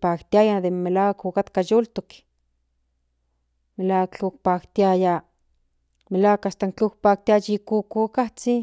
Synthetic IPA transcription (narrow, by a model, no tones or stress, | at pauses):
pakt̪iajad̪emelawkukat̪kajult̪uk | melakt͡ɬuk̚pakt̪iaja | melakast̪aŋkt͡ɬuk̚pak̚t̪iajikukukaht͡si